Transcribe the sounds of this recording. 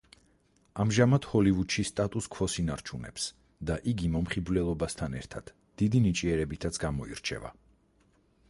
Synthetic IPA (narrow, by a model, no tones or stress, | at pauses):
amʒamad̪hɔlivud̪ʃist̪ʼat̪ʼuskʰvɔsinaɾt͡ʃʰunɛ̰ps | d̪aʔiɡimɔmχiblɛlˠɔbast̪ʰanɛ̰ɾt̪ʰad̪̥ | d̪̥id̪init͡ʃʼiɛɾɛbit̪ʰat̪sʰɡamɔḭɾt͡ʃʰɛ̰va̰